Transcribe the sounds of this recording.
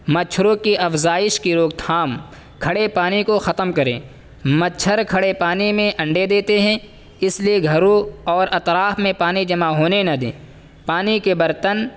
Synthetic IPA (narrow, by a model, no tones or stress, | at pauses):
mɐt͡ʃʰɾõkiʔɐfzaːɪʃkiɾoːɡ̚t̪ʰaːm | kʰɐɽepaːnikoxɐt̪əmkɐɾḛ̃ː | mɐt͡ʃʰəɾkʰɐɽepaːnimẽʔɐ̃ɳɖed̪eːt̪eɦɛ̃ | ɪslieɡʱɐɾoɔːɾɐt̪ɾaːfmẽpaːnid͡ʒɐmaɦoːnenɐd̪ḛ̃ː | paːnikebɐɾt̪ən